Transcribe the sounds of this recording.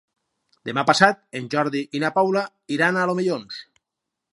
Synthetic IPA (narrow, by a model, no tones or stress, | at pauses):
d̪emapasat̪̚enʲʒɔɾðiʔinapawla | iɾanalomeʎons